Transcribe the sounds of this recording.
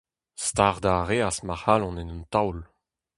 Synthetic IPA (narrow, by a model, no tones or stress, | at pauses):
st̪aʁd̪aʁeːasmahalɔ̃nɛnynt̪awl